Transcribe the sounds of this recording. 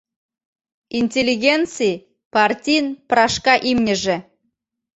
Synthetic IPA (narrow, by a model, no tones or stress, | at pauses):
inʲtʲelʲːiɣʲent͡si | pɑrtʲijnpɾɑʃkɑʔimnʲə̆ʒĕ